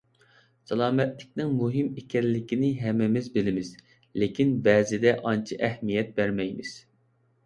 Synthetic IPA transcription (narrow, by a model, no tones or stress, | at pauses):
sɛlˠɑːmɛt̪lɪk̚ʲnɪŋmuɦɪmekʲɛnlːɪkʲinɪɦɛmːɪmɪzbɪlɪmɪz̥ | lɪkʲʰinbɛːzɪd̪ɛʔɑnt͡ʃʰiʔɛhmijɛt̪̚bæɾmɛjmɪz̥